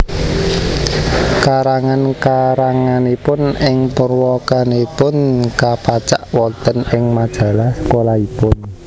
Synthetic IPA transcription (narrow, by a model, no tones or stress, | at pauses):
kaɾaŋankaɾaŋanepʊnɪŋpərwɔkanepʊnkapat͡ʃaʔwɔnt̪ənɪŋmad̥ʒ̥ä̤lahsə̥kolaipʊn